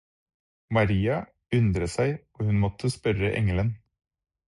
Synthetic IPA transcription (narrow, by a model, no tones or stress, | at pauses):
mɑɾiːɑ | ʉnd̪ɾəsæɪoːhʉnmɔt̪ʰːəspœɾəʔɛ̰ŋələn